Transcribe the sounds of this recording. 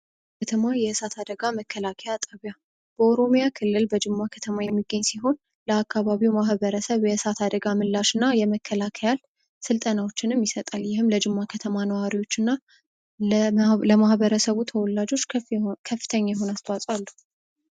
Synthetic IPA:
kʰət̪ʰəmajɛɨsat̪ʰad̪əɡaməkʰːəlakʰəjat̪ʼəβja | b̥əoɾo̞mjakʰɨlːɨlbəd͡ʒɨmːakʰət̪ʰəmajɛmːiɡːəɲːsiɦo̞n | ləakːaβaβiwmahβəɾəsəβjɛɨsat̪ʰad̪əɡamɨlːaʃɨnːajɛməkːəlakʰəjal | sɨlt̪ʼənawot͡ʃːɪnɨmjɪsət̪ʼaljɪhɨmləd͡ʒɨmːakʰət̪ʰəmanəwaɾiwo̞t͡ʃːɨnːa | ləmahβəɾəsəβut̪ʰəwɔlːad͡ʒo̞t͡ʃːkʰəfːɨ̥t̪ʰəɲːajɛɦo̞nast̪ʰwasʼwalːu

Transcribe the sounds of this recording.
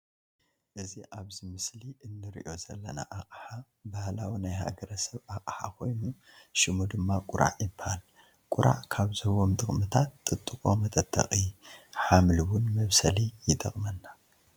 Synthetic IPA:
ʔɨziʔaβzimɨsliʔɨnːɨɾḭʔo̞zɐlːɐna̰ʔakʼħa | bahlawinajha̰ɡɐɾɐsɐβakʼħa̰kʰo̞jnu | ʃɨmud̪ɨmːakʼʊɾʔa̰ʕjɪbahal | kʼʊɾʔa̰ʕkʰaβzɨhɨwo̞mt̪ʼɨxʼmɨt̪ʰat̪ːʼɨt̪ʼːɨkʼo̞mɐt̪ʼɐt̪ʰːɐ̰xʼiħamliwʊnmɐβsɐlijɪt̪ʼɐ̰χʼmɐnːa

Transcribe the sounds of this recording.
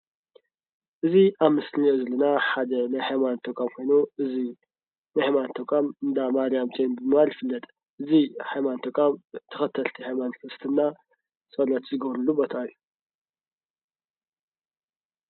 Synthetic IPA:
ʔɨziʔaβmɨsliozɐlɐnaħad̪ɐnajhajmant̪ʰɐkʷʼamkʰo̞jnuʔɨzi | najhajmant̪ʰɐkʼamɨnd̪amaɾijamt͡ʃʼenbɨmɨβaljɪfɨlːɐt̪ʼ | ʔɨzihajmant̪ʰɐkʼamt̪ʰɐ̥xɐt̪ʰːɐlt̪ʰihajmankʰɾɨst̪ʰɨnːa | sʼɐlɐt̪zɨɡɐβɾɨlubot̪ʰajːu

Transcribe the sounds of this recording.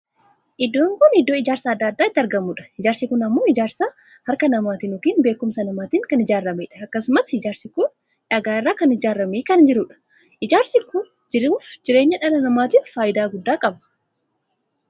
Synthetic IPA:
ʔɪd̪ːoːŋkʊnɪd̪ːo̞ːɪd͡ʒaːɾsaːɐd̪ːɐːd̪ːaːɪt̪ːɐɾɡɐmuːᶑɐ̥ɪd͡ʒaːɾsɪkʊnɐmːo̞ːɪd͡ʒaːɾsaː | hɐɾkɐnɐmaːt̪inʊkiːnbeːkːʊmsɐnɐmaːt̪iːŋkɐnɪd͡ʒaːrːɐmeːᶑɐɐkːɐsʊmɐsɪd͡ʒaːɾsɪkʊn | ᶑɐɡaːɪrːaːkɐnɪd͡ʒaːɾːɐmeːkɐnd͡ʒɪɾʊᶑɐ̥ | ʔɪd͡ʒaːɾsɪkʊn | d͡ʒɪɾuːfd͡ʒɪɾeːɲːɐᶑɐlɐnɐmaːt̪iːffaːʔɪd̪aːɡʊd̪ːaːkʼɐbɐ̥

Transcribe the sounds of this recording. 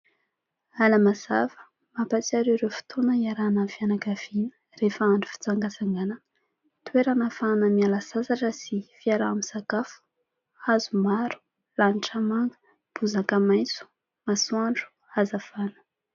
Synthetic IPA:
alamazavə̥ | mapat͡siaɾeɾewfi̥t̪ʰonəiaɾanəvianakav̥inə̥ | refaaɳɖ͡ʐu̥fi̥t͡saŋɡasaŋɡanə | t̪weɾanafanəmialasasaʈ͡ʂəsifiaɾaamisakafu̥ | azumaɾu̥ | laniʈ͡ʂamaŋɡə̥ | b̥uzakamajt͡su̥ | masuaɳɖ͡ʐu̥ | azafanə̥

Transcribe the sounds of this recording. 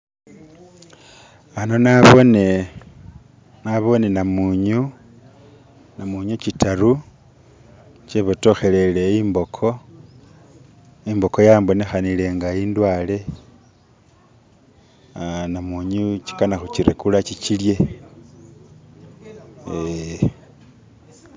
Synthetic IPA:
ano̞naβone | naβo̞nenamuɲu | namuɲut͡ʃitaɾu | t͡ʃeβoto̞xe̞le̞le̞imbo̞kʰo̞ | imbo̞ko̞jaːmbo̞ne̞xanile̞ŋɡaindwale̞ | namuɲut͡ʃi̥kanaxut͡ʃiɾḛkulat͡ʃit͡ʃilje̞ | e

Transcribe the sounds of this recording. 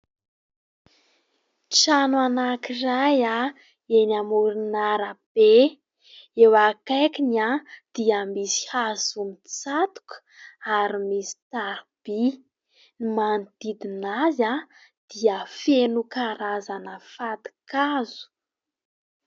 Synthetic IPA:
ʈ͡ʂananakiraja | enamuɾinaɾəb̥e | ewakajkinad̪̥iamisi̥hazumit͡sat̪u̥kə̥ | aɾimisi̥t̪aɾb̥i | nimand̪id̪inaza | d̪̥iəfenukaɾazanəfad̪i̥kazu̥

